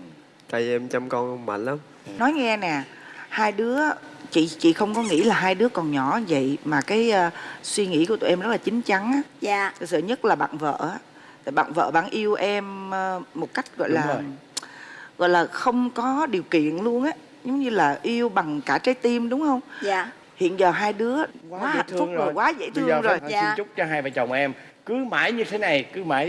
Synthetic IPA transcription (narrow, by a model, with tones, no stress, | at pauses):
t͡ɕa˧jʔɛ˧mt͡ɕa˧mkɔ˧nə˧ŋ͡mma̰˧˨˩nla˨˦m | nɔ˨˦jŋɛ˧nɛ˨˩ | haː˧jɗɨ˨˦ət͡ɕḭ˧˨t͡ɕḭ˧˨xə˧wŋ͡mkɔ˨˦ŋḭ˧˥laː˨˩ɦaː˧jɗɨ˨˦əkɔ˨˩nɲɔ˧˩˦və̰˧˨jmaː˨˩kaː˨˦jːswi˧ŋḭ˧˥˩kt̪o̰ː˧˨˩ʔɛ˧mzə˦˥t̚laː˨˩t͡ɕï˨˦ŋ̟t͡ɕa˨˦ŋʔaː˨˦˧t̪ʰsə̰ː˧˨ɲə˦˥t̚laː˨˩ɓa̰ː˧˨ŋvə̰ː˧˨ʔaː˨˦ | t̪ʰaː˨˩jɓa̰ː˧˨nvə̰ː˧˨ɓa̰ː˧˩ŋʔi˧əwʔɛ˧mː˧ | o˨˩t̚ka˦˥jk̟̚ɣɔ̰˧˨jlaː˨˩˨ | ɣɔ̰˧˨jlaː˨˩xə˧wŋ͡mkɔ˨˦ɗi˨˩əwkḭ˧˨ənlu˧ənʔaː˨˦ | zo˨˦wŋ͡mɲɨ˧laː˨˩ʔi˧əwɓa˨˩ŋkaː˧˩t͡ɕa˨˦jt̪i˧mɗʊ˨˦wŋ͡mhə˧wŋ͡maː˧˨ | hḭ˧˨ənzəː˨˩ɦaː˧jɗɨ˨˦əkwa˨aː˦˨˦ha˨˩t̪ʰfʊ˦əŋ˨˩kwaː˨˦zə̰˧˥jt̪ʰɨ˧əə˧ŋzo˨˩jːt͡ɕʊ˦˥k͡p̚t͡ɕɔ˧ɦaː˧jvaː˨˩t͡ɕə˨˩wŋ͡mʔɛ˧m | kɨ˨˦ma̰ː˧˩jɲɨ˧t̪ʰe˨˦na˨˩jkɨ˨˦ma̰ː˧˩j